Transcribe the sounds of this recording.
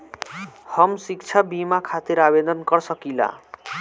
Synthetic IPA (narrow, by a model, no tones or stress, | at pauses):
hʌmsikt͡sʰabimakʰat̪iɾabed̪ɔnkʌrsʌkila̰